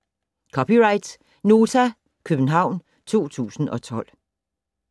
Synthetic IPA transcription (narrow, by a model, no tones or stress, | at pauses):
kʰɒpiʁɑ̈ɪd̥s | no̝ːt͡sʰæ | kʰøb̥n̩ɦɑ̈ʊ̰n | t͡sʰo̝̰ːt͡sʰṵːsn̩ɒ̽t͡sʰɒ̽l̰